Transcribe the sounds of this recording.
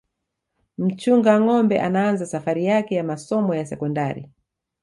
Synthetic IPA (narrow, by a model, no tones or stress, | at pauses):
m̩t͡ʃuŋɡaŋɔmbɛʔanaanzasafaɾijakɛjamasɔmɔjasɛkɔndaɾḭ